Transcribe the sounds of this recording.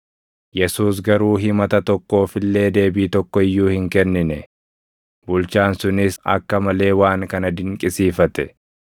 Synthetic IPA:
jɛsuːs̬ɡɐɾuːɦɪmɐt̪ɐt̪ɔkːo̞ːfɪlːe̞ːd̪e̞ːbiːt̪ɔkːɔɪjːuːhɪŋkɛnːɪnɛ | bʊlt͡ʃaːnsʊnɪsɐ̰kːɐmɐle̞ːwaːŋkɐnɐd̪ɪŋkʼɪsiːfɐt̪ɛ

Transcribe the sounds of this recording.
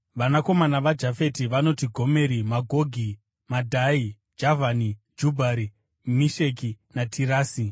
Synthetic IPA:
ʋanako̞manaʋad͡ʒafe̞tiʋano̞tiɡʱo̞me̞ɾimaɡʱo̞ɡʱi | madʱai | d͡ʒavʱanid͡ʒubʱaɾi | miʃe̞k̬i | natʰiraːsi

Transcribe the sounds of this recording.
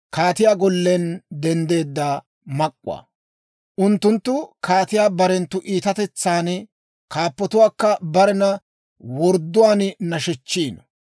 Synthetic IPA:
kaːt̪ɪjaːɡɔlːɛnd̪ɛnd̪e̞ːd̪ːaː | mɐkʼːʊ̰wa̰ː | ʔʊnt̪ːʊnt̪ːʊkaːt̪ɪjaːbɐɾɛnt̪ːʊʔiːt̪ɐt̪ɛt͡sːaːn | kaːpːɔt̪ʊwaːkːɐbɐɾɛnɐ | wɔɾd̪ːʊwaːnnɐʃɛt͡ʃːiːn

